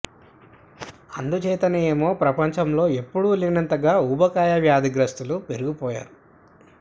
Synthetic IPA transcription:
ɐnd̪ut͡ʃɛːt̪ɐneːmo̞ːpɾɐpɐɲt͡ʃɐmlo̞ːe̞pːuɽulinɐnt̪ɐɡaːuːbɐkaːjɐʋjaːd̪iɡɾɐst̪ulupe̞ɾuɡupɔːja̰ːɾu

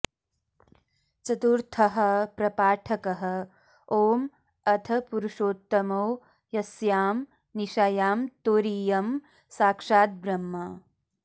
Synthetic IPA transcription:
t͡ʃɐt̪uɾt̪ʰɐɦɐ̆pɾɐpaːʈʰɐkɐɦɐ̆ | oːm | ɐt̪ʰɐpuɾuʂoːt̪ːɐmoː | jɐsjaːm | niʃɐjaːmt̪oːɾiːjɐm | saːkʂaːt̪̚bɾɐmːɐ

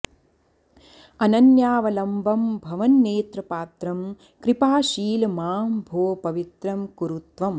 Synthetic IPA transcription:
ɐnɐnjaːʋɐlɐmbʱɐmbʱɐʋɐnːeːt̪ɾɐpaːt̪ɾɐm | kɾipaːʃiːlmaːmbʱoːpɐʋit̪ɾɐmkuɾut̪ʋɐm

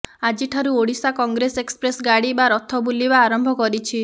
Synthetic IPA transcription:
ad͡ʒiʈʰaɾuoɽisakɔŋɡɾesekspɾesɡaɽibaɾɔt̪ʰɔbulibaːɾɔmbʱɔkɔɾit͡ʃʰi

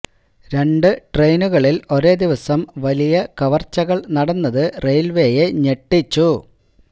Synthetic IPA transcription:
ɾe̞ɳɖɨʈre̞jnuɣɐɭilo̞ɾe̞ːd̪iʋɐsɐmʋɐlijɐkɐʋɐrt͡ɕːɐɣɐɭnɐɽɐnːɐðɨre̞jlʋe̞ːjeɲe̞ʈːit͡ɕːu

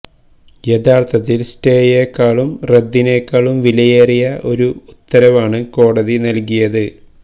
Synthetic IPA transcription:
et̪ʰaːrt̪ʰɐt̪ːilste̞ːjeːkːaːɭumred̪ːineːkːaːɭumʋilɐjeːrijɐʔo̞ɾuut̪ːɐɾɐʋaːɳɨko̞ːɽɐðinɐlkijɐðɨ

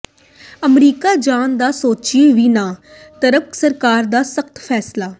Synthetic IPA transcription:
əmɾiːkaːd͡ʒaːnd̪aːsoːt͡ʃieʋiːnãː | t̪əɾəksəɾkaːɾd̪aːsəkt̪pʰɛːslaː

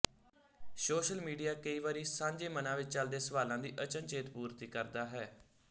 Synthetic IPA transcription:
soːʃəlmiːɖijaːkəiːʋaːɾiːsãːɲd͡ʒeːmənãːʋɪt͡ʃt͡ʃəld̪eːsəʋaːlãːd̪iːʔət͡ʃənt͡ʃeːt̪puːɾt̪iːkəɾd̪aːɦɛː

